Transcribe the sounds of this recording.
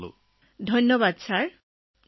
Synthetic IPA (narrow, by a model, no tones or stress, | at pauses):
lo̰ | d̪ʱɔjnːobad̪sʰaɾ